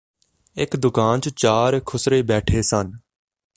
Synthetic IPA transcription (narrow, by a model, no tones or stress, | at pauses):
ɪkd̪ʊkaːnt͡ʃt͡ʃaːɾkʰʊsɾeːbɛːʈʰeːsən